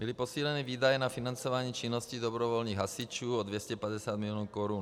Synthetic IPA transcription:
bilipɔsiːlɛnɛːʋiːd̪ajɛnafinant͡sɔʋaɲiːt͡ʃinːɔscid̪ɔbɾɔʋɔlniːɣɦasit͡ʃuːɔd̪ʋjɛscɛpaɟɛsɪaːd̪milɪɔːnkɔɾuːn

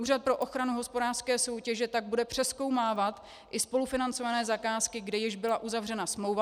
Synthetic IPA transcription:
uːrat̪̚pɾo̞ʔo̞xɾanuɦospo̞daːr̥skɛːso̞wcɛʒɛt̪aɡ̚budɛpr̥ɛsko̞wmaːvat̪ | ʔɪspo̞lufɪnant͡so̞vanɛːzakaːskɪɡdɛjɪʒbɪlaʔuzavrɛnasmlowva

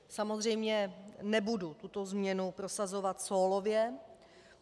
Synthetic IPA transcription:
samo̞zr̝ɛjmɲɛnɛbudut̪ut̪o̞zmɲɛnupɾo̞sazo̞vat̪soːlovjɛ

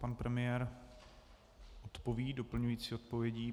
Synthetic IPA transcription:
panpɾɛmɪjɛɾ | ʔot̪po̞viːdo̞pl̩ɲujiːt͡siːo̞t̪̚po̞vjɛɟiː

